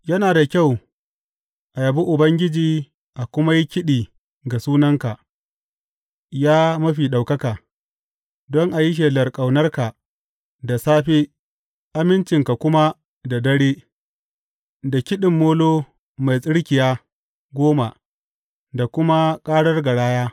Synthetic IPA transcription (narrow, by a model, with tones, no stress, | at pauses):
jɐ˦naː˨da˨kʲa˦˨w | ʔa˨ja˨bu˦ʔʊ˨bɐ˦ŋɡʲɪ˦d͡ʒiː˨ | ʔa˨kʷʊ˦ma˦ji˦kʲɪ˦ɗiː˨ | ɡa˨suː˦nɐ˦ŋka˨ʔ | jaː˦mɐ˦ɸiː˨ɗa˨wkɐ˦kaː˨ | dɔ˦ŋʔa˨jɪ˦ʃ̬eː˨lɐ˨rkʼa˨wnɐ˦rka˨ | da˨saː˦ɸeː˦ | ʔa˦mɪ˦nt͡ʃɪ˨ŋka˨kʷʊ˦ma˦ | da˨dɐ˦ɽeː˦ | da˨kʲɪ˦ɗɪ˨mːoː˦loː˦ | ma˨jsʼɪ˦ɽkʲɪ˨jaː˦ | ɡʷoː˦ma˨ | da˨kʷʊ˦ma˦kʼaː˦ɽɐ˦rɡa˨ɽaː˦jaː˦